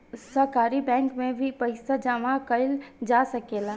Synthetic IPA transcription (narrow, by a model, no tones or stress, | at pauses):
səɾkaːɾibɛ̃ːŋkmẽbʱipəɪsad͡ʒaʋakəɪld͡ʒaːsəkeːla